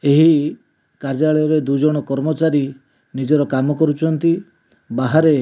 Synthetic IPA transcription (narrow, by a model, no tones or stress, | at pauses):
eɦi | kaɾd͡ʒaɭɔjɔɾed̪ud͡ʒɔɽ̃ɔkɔɾmɔt͡ʃaɾi | nid͡ʒɔɾɔkamɔkɔɾut͡ʃʰɔnt̪i | baɦaɾe